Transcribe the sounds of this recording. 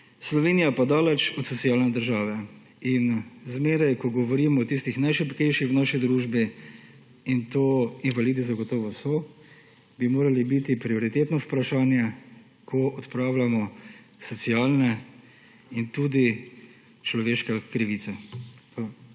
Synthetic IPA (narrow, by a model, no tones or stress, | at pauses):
slɔʋeːnijapad̪aːlɛt͡ʃɔt̪sɔtsijaːlnɛd̪əɾʒaːʋɛ | inzmeːɾajkɔɡɔʋɔɾiːmɔːt̪ist̪ixnajʃɛpkɛjʃixwnaʃid̪ɾuːʒbi | int̪oːinʋalid̪izaɡɔt̪ɔːʋɔsɔ | bimoːɾalibit̪ipɾiɔɾit̪eːt̪nɔpɾaʃaːnjɛ | kʰɔʔɔt̪pɾaːwlamɔ | sɔtsiaːlnɛ | int̪uːd̪i | t͡ʃlɔʋeːʃkɛkɾiʋisɛ